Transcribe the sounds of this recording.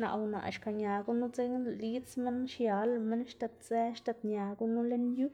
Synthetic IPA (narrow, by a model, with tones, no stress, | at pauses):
na̰˧ʔwna̰˨ʔʃka˨ɲa˨ɡu˦nu˦t͡se˦ŋli˦t͡sme˦nʃja˧lme˦nʃt̪a˧t̪̚t͡se˦ʃt̪a˧t̪ɲa˨˧ɡu˦nu˦le˦nju˦